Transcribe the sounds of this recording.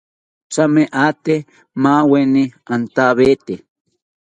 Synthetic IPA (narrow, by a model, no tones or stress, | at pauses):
t͡sameʔat̪e | mãweniant̪aβet̪e